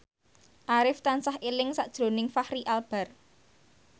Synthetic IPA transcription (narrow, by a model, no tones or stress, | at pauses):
ʔaɾɪft̪ansahelɪŋsaʔd̥ʒ̥ɾo̤nɪŋfahɾiʔalb̥a̤r